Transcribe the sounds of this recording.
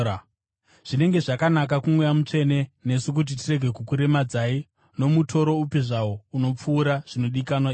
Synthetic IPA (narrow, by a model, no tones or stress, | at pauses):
ʐ̥ine̞ŋɡe̞ʐakanakakumwejamut͡ʂe̞ne̞ne̞suk̬ut̬itire̞ɡʱe̞kukuɾe̞mad͡zai | no̞mutʰo̞ɾo̞upiʐawouno̞p͡fuːɾaʐ̥ino̞ɗikanwai